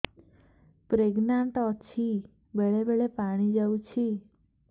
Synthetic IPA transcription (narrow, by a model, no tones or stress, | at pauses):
pɾeɡnaɳʈɔt͡ʃʰi | beɭebeɭepaɽ̃id͡ʒaʋũt͡ʃʰi